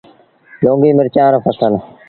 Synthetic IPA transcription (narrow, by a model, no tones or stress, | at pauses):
loːŋɡiːmɪɾt͡ʃaːnpʰəsən